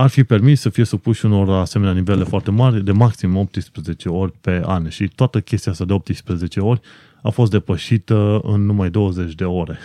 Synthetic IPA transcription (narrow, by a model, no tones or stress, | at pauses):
arfipe̞rmissəfije̞supuʃuno̞raːseme̞neanive̞le̞foart̪e̞marʲd̪e̞maksimo̞p̚t̪ɨspɾəze̞t͡ʃe̞o̞rʲpe̞a̰nʃit̪oat̪əkʲe̞st̪iast̪ad̪e̞o̞p̚t̪ɨspɾəze̞t͡ʃe̞o̞rʲ | afo̞st̪̚d̪e̞pəʃit̪əɨ̰nːumajd̪o̞wəze̞t͡ʃʲd̪e̞o̞ɾe̞